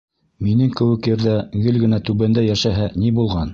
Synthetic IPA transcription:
minɘŋkɘ̆wɘ̆kjɘ̆ɾðæɡɘlɡɘ̆næt̪ʉβænd̪æjæʃæɦænibulˠʁɑn

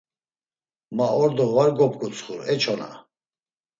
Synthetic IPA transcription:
maɔɾd̪ɔvaɾɡɔpɡut͡sʰʼχuɾɛt͡ʃʰɔna̰

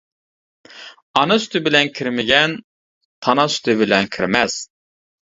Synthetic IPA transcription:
ɑnɨsy̥t̪ʰɪbɪlɛnkʲʰiɾmɪɡʲɛn | t̪ʰɑnɑsy̥t̪ʰɪbɪlɛnkʲʰiɾmɛz̥

